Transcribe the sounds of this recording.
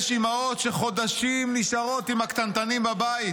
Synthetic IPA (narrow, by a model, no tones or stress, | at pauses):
ʃimaot̪ʃeχo̞d̪aʃimnisaʁo̞t̪imakt̪ant̪animbabai